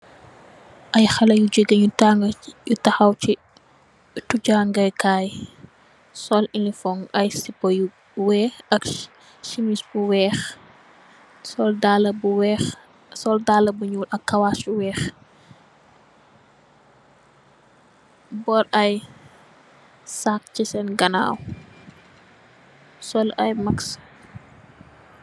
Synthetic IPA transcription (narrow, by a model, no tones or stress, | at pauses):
ʔɐjxɐlɐjud͡ʒəɡɐɲutaŋɡjutɐxɐwt͡ʃi | tuɟaŋɡɐjkaːj | sɔlinifɔŋɐjsipɔju | wɛɐk | ʃimisbuwɛːx | sɔldalɐbuwɛx | sɔldaːlɐbuɲuːlʔɐkːɐwasuwɛːx | bɔɾɐj | saːk̚cisɛnɡɐna̰ːw | sɔlɐjmɐks